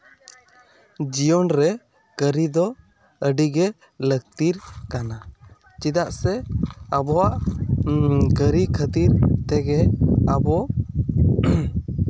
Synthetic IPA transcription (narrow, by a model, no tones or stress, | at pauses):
d͡ʒijɔnɾɛ | kəɾid̪ɔ | əɖiɡɛ | lək̚t̪iɾkana | t͡ʃid̪aʔsɛəbɔwaʔ | ɡəɾikʰət̪iɾt̪ɛɡɛabɔ